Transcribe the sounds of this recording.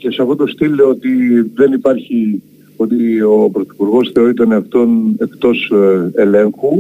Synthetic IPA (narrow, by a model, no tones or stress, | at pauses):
ce̞sɐfot̪o̞st̪iloot̪iðe̞nipɐɾçi | o̞t̪iopɾoθi̥puɾɣo̞sθe̞o̞ɾit̪̬oneɐft̪o̞ne̞kt̪o̞sele̞ŋxu